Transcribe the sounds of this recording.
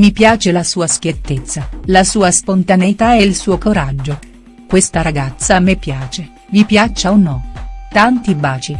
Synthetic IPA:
mipjaːt͡ʃelasuːaskjet̪ːet̪sːalasuːaspont̪aneit̪aɛilsuːokoɾad͡ʒːo | kwest̪aɾaɡat̪sːamːepːjaːt͡ʃe | vipjat͡ʃːaonːɔt̪ant̪ibaːt͡ʃi

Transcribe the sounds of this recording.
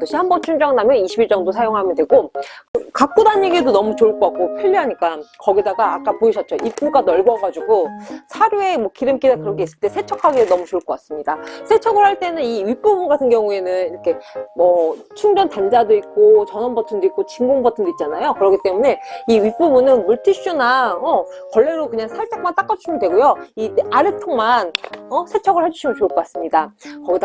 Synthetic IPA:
toɕʰihambʌnt͡ɕʰund͡ʑʌŋnamjʌniɕʰibiɭt͡ɕ͈ʌŋdosʰajoŋɦamjʌndwe̞ɡo | kak̚k͈udaɲeɡedonʌmut͡ɕoɭk͈okak̚k͈opʰjiʎːiɦaɲik͈akʌɡidaɡaːk͈apoiɕʰʌt̚t͡ɕ͈oʔip͈uɡanʌɭɡwʌɡad͡ʑuɡosʰaɾjue̞mwʌkiɾɯmk͈idakɯɾʌkʰe̞is͈ɯɭt͈e̞sʰe̞t͡ɕʰʌkʰaɡedonʌmut͡ɕoɭkʌk͈as͈ɯmɲidasʰe̞t͡ɕʰʌɡɯɭhaɭt͈e̞nɯniɥip͈ubunɡatʰɯnɡjʌŋue̞nɯniɾʌkʰe̞mʌ | t͡ɕʰuŋbjʌntand͡ʑadoik̚k͈ot͡ɕʌnʌnbʌtʰɯndoik͈ot͡ɕiŋɡoŋbʌtʰɯndoit̚t͡ɕ͈anajokɯɾʌkʰit͈e̞mune̞iɥip͈ubunɯnmuɭtʰiɕ͈unaʌ | kwʌɭːe̞ɾokɯɲaŋsʰaɭt͡ɕ͈ak̚mant͈ak͈ad͡ʑuɕʰimɯndwe̞ɡojoiaɾɯtʰoŋmanʌsʰe̞t͡ɕʰʌɡɯɭhed͡ʑuɕʰimɯnt͡ɕoɭkʌk͈as͈ɯmɲidakʌɡida

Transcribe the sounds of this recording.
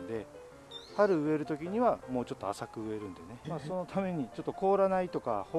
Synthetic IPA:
d̪e̞ | haɾɯ̟ɯ̟e̞ɾɯ̟t̪o̞kʲiɲ̟iβamo̞ːt͡ɕo̞t̪ːoasakɯ̟ɯ̟e̞ɾɯ̟̃nd̪e̞ne̞maːso̞no̞t̪ʰame̞ɲ̟it͡ɕo̞t̪ːo̞ko̞ːɾanait̪o̞kaho

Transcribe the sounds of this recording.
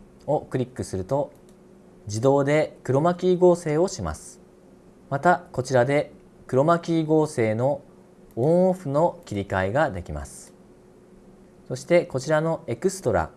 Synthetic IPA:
o̞kɯ̟ɾʲikːɯ̟sɨɾɯ̟t̪o̞ | d͡ʑid̪o̞ːd̪e̞kɯ̟ɾo̞makʲiːɡo̞ːse̞ːo̞ɕima̰sɨ̥ | mat̪ako̞t͡ɕiɾad̪e̞ | kɯ̟ɾo̞makʲiːɡo̞ːse̞ːno̞ | õɰ̃oɸɯ̟no̞kʲiɾʲikaiɡad̪e̞kʲima̰sɨ̥ | so̞ɕi̥t̪e̞ko̞t͡ɕiɾano̞e̞kɯ̟sɨ̥t̪o̞ɾa̰

